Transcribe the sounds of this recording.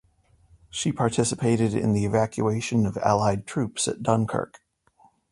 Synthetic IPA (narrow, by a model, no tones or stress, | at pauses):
ʃipʰɑɹtʰɪsəpʰeɪɾɨɾɪ̰̃nðiɨvækʰjʉ̰eɪʃɨ̃nʌvæ̰lˠaɪd̚tʰɹ̥ʉpsɨ̰t̚d̥ʌ̃nkʰɜ̰˞k